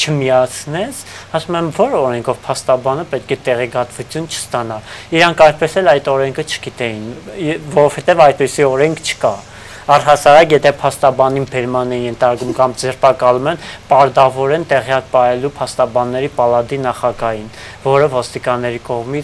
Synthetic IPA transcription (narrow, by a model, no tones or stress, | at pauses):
t͡ʃʰəmijɑt͡sʰnɛt͡sʰ | ɑsumɛmvɔɾɔɾɛŋkʰɔvpʰɑst̪ɑbɑnəpɛt̪̚kʰɛt̪ɛʁɛkɑt̪vut͡sʰjunt͡ʃʰə̥st̪ɑnɑiɾɑŋkʰɑjt̪̚pɛsɛlɑjt̪ɔɾɛŋkʰət͡ʃʰə̥ɡit̪ɛjinvɔɾɔvhɛt̪ɛvɑjt̪̚pɛsiɔɾɛŋkʰt͡ʃʰə̥kɑ | ɑrɦɑsɑɾɑkjɛt̪ʰɛpʰɑst̪ɑbɑninbɛɾmɑnɛnjɛnt̪ʰɑɾkumkɑmd͡zɛrpɑkɑlumɛnpɑɾd̪ɑvɔɾɛnt̪ɛʁjɑk̚pɑjɛlupʰɑst̪ɑbɑnːɛɾipɑlɑd̪inɑχɑɡɑjin | vɔɾəvɔst̪ikɑnːɛɾikɔʁmi